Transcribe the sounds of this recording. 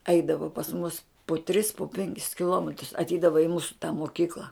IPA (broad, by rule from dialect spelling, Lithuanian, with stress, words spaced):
ˈɛɪdɐʋoː pɐs mʊs pʊ tʲrʲɪs pʊ ˈpʲɛŋʲkʲɪs kʲɪˈlˠoːmʲɛtrʊs ɐtʲˈɛɪdɐʋɐ ɪ ˈmuːsʊ tɑː moːˈkʲiːklˠɐ